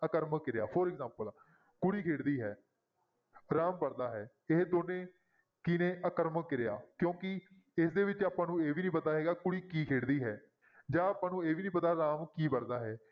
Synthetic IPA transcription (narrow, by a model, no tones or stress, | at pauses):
əkəɾməkːɪɾjaːpʰəɾɪkzãːmpəl | kʊɽiːkʰeːɽd̪iːɦɛː | ɾaːmpəɽd̪aːɦɛː | eɦd̪oːnẽː | kɪnẽːʔəkəɾməkːɪɾeja̰ːkjõːkɪ | ɪsd̪eːʋɪt͡ʃaːpãːnũːeːʋiːnĩːpət̪aːɦɛːɡaːkʊɽiːkiːkʰeːɽd̪iːɦɛː | d͡ʒãːaːpãːnũːeːʋiːnĩːpət̪aːɾaːmkiːpəɽd̪aːɦɛː